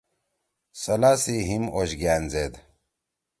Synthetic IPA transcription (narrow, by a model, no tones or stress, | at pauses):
sɐlaːsiɦimoɕɡaːnzeːd̪